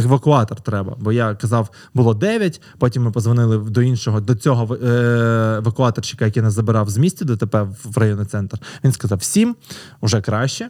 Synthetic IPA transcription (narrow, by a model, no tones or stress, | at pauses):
eʋɐkʊɑt̪ɔrt̪ɾɛbɐ̰bɔjakɐzɑw | bʊlˠɔd̪ɛʋʲjɐtʲ | pɔtʲimːɪpɔzʋɐnɪlˠɪd̪ɔinʃɔɦɔd̪ɔt͡sʲɔɦɔ | eʋɐkʊɑt̪ɔrt͡ʃɪ̥kɐjɐkinɛzɐbɪɾɑwzmʲisʲtʲid̪ɔt̪epɛrɐjɔnɔt̪sɛnt̪rʋʲinskɐzɑwsʲimʊʒɛkɾɑʃt͡ʃɛ